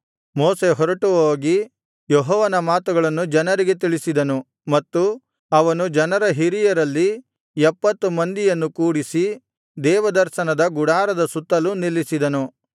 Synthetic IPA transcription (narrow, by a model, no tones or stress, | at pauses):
moːse̞ɦɔɾɐʈuʋɐoːɡi | jɔɦɔːʋɐnɐmaːt̪uɡɐɭɐnːud͡ʒɐnɐɾiɡe̞t̪iɭisid̪ɐnu | mɐt̪ːu | ɐʋɐnud͡ʒɐnɐɾɐɦiɾijɐɾɐlːi | ɛpːɐt̪ːumɐnd̪ijɐnːukuːɽisi | d̪ɛːʋɐd̪ɐɾʃɐnɐd̪ɐɡuɽaːɾɐd̪ɐsut̪ːɐlunilːisid̪ɐnu